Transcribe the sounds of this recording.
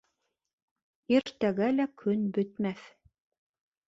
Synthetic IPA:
iɾt̪æɡælækʰɵnbɵ̆t̪mæθ

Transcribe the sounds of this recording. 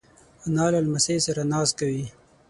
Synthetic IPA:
anɑlalmasesaɾanɑskawi

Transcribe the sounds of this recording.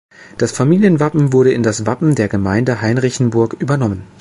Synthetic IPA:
d̥asfamiːljənvapm̩vʊɐɾəɪndasv̥apm̩deːɐɡəmaɪndəɦaɪnʁɪçn̩bʊɐkʔyːbɐnɔmən

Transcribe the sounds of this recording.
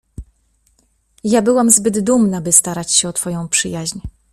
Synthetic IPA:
jabɘwamzbɘd̪d̪umnabɘst̪aɾat͡ɕɕɛɔt̪fɔjɔ̃w̃pʂɘjaʑɲ

